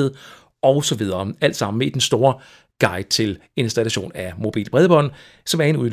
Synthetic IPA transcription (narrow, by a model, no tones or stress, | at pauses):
ðˠ | ʔɒ̽ʊsɒ̽ʋið̞ˠɐːæl̰d̥sɑ̈m̰n̩meid̥ensd̥o̝ːɐ | ɡ̥ɑ̈ɪd̥̚t͡sʰe̝l | e̝nsd̥ælæɕo̝̰ːnæmo̝b̥ḭːl̥b̥ʁɛð̞ˠəb̥ɒ̽n̰ | sɒ̽mæɐe̝nu